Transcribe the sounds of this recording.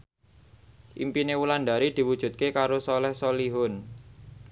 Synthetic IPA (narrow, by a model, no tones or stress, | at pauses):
ʔḭmpinewulanɖ̪a̤ɾid̪̥i̤wud̥ʒ̥ṳt̪̚kekaɾosɔlɛhsoliɦʊn